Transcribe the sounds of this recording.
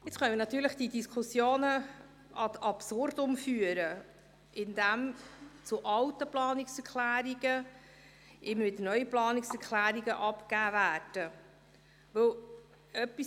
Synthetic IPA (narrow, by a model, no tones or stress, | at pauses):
ɪt͡sχœnəmɪnɑt̪ːyːləχd̥idiskʰχʊsjoːnə | ʔɑt̪ɑpsʊrdʊmfyːəɾə | ɪndæmt͡suʔɑwtəplɑːniksɛɾklæːɾiɡ̥ə | ʔɪməvɪdənœʏəplɑːnɪksɛɾkʰlæːɾiɡəʔɑpkæːvæːɾd̥ə | ʋɵw | œpːi